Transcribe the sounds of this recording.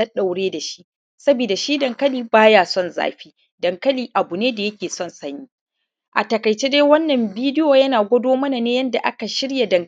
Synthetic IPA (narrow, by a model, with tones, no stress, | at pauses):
ɐ˦ɗa˨wɽeː˦da˨ʃi̥˦ʔ | sɐ˦biː˨da˨ʃiː˦dɐ˨ŋkɐ˦liː˨baː˦jaː˨sɔ˦˨nza̰ː˦ɸiː˦ | dɐ˨ŋkɐ˦liː˨ʔa˨bu˨neː˦da˨jɐ˦kʲeː˨sɔ˦nsɐ˦ɲjiː˦ | ʔa̰˨tɐ˨kɐ˨jt͡ʃeː˦deː˦wɐ˦nːɐ˨mbiː˦dɪ˦joː˨jɐ˦naː˨ɡʷɐ˦doː˦mɐ˦na˨neː˦jɐ˦nda˨ʔa˦ka˨ʃɪ˦ɽja˨dɐ˨ŋ